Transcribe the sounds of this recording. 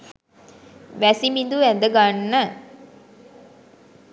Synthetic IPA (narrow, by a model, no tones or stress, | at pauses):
ʋæsimind̪uʋænd̪əɡanːə